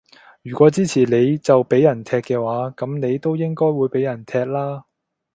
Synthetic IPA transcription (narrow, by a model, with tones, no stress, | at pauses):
jyː˨˩kʷɔː˨˥t͡siː˥t͡sʰiː˨˩le˨˧jt͡sɐ˨wpe˨˥jːɐ˨˩nt̪ʰɛː˧kːɛː˧waː˨˥kɐ˨˥mne˨˧jt̪o˥wjɪ˥ŋkɔː˥jwuː˨˧jpe˨˥jɐ˨˩nt̪ʰɛː˧k̚laː˥